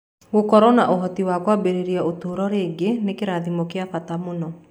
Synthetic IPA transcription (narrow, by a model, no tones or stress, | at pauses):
wukɔɾɔnaʔɔɦɔt̪iwakwabeɾiɾiaut̪uɦuɾɔɾeɡenekiɾad̪imokiafat̪amunɔ